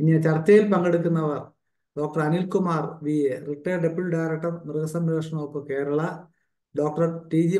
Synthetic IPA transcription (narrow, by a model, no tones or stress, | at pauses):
iɲːɐt͡ɕɐrt͡ɕːɐjilpɐŋɡeɽukːunːɐʋɐr | ɖo̞ːk̚ʈɐrɐnilkumaːrʋieriʈːeɖebilɖaːjɾɐk̚ʈːɐrmirɡɐsɐnɐɐʂɐɳopːɨke̞ːɾɐɭɐ | ɖoːk̚ʈɐrʈiːd͡ʑi